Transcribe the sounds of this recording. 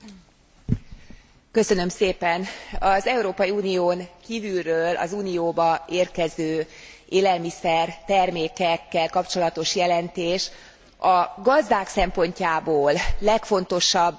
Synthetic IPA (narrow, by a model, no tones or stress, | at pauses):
kø̞sø̞nø̞mseːpɛnɒzɛuɾoːpɒiuːnijoːŋkiːvylrøːlʔɒ̰zuːnijoːbɒeːrkɛzøː | ʔeːlɛlmisɛrt̪ɛrmeːkɛkːɛlkɒpt͡ʃo̞lɒt̪o̞ʃjɛlɛnt̪eːʃ | ɒɡɒzd̪aːksɛmpo̞ɲcaːboːlːɛkfo̞n̪t̪o̞ʃɒbː